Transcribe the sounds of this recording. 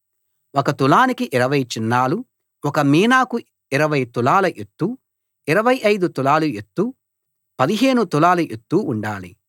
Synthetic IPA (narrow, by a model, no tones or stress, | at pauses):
ɔkɐt̪ulaːnikiʔiɾɐʋɐjt͡ʃinːaːlu | wɔkɐmiːnaːku | iɾɐʋɐjt̪ulaːlɐʔet̪ːu | iɾɐʋɐjɐjd̪ut̪ulaːluet̪ːu | pɐd̪iɦe̞ːnut̪ulaːluʔet̪ːuːɳɖaːlḭ